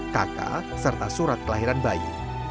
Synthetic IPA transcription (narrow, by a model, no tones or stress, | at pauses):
kaka̰sərt̪asuɾat̪̚kəlaɦiɾanbaḭ